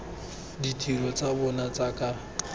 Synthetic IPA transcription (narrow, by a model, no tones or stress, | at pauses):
ditʰʼilɔt͡sʼabɔnat͡sʼakʼa